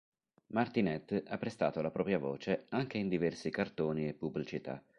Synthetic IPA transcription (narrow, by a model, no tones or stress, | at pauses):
mart̪inɛt̪ːapːɾest̪a̰ːt̪olapɾɔːpɾjavoːt͡ʃeaŋk̟eind̪ivɛrsikart̪oːniepːubːlit͡ʃit̪a̰